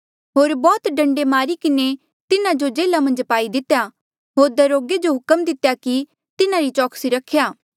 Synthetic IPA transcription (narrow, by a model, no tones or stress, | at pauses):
ɦoːɾbɔːt̪ɖɐ̃ɳɖemaːɾikɪne | t̪ɪnãd͡ʒod͡ʒeːlamɐ̃nd͡ʒpaːid̪ɪt̪ːja | ɦoːɾd̪ɐɾoːɡed͡ʒoɦʊkəmd̪ɪt̪jaki | t̪ɪnãɾit͡ʃɔːksiɾɐkʰːjaː